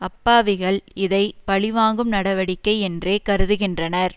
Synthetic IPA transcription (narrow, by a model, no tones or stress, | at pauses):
ɐpːaːʋɪɣɐɭɪðɐɪpɐɭɪʋaːŋɡɯmnɐɽɐʋɐɽɪkːɐɪɛndreːkɐɾɯðɯɣɪndrɐnɐɾ